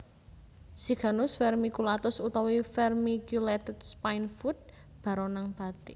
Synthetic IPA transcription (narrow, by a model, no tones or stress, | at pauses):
siɡ̥a̤nʊsfɛrmikulat̪ʊsut̪ɔwifɛrmikjulet̪əd̪̥spainfut̪̚ | b̥a̤ɾɔnaŋb̥a̤t̪i